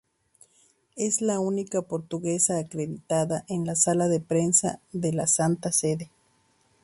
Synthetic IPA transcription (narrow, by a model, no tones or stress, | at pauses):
ezlaunikapoɾt̪uɣesaːkɾeðit̪aðaʔenlasalaðepɾensa̰ðelasant̪aseðe